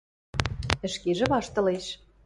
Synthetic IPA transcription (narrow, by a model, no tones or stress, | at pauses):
ə̆ʃkeʒĕβɑʃt̪ɤ̆leʃ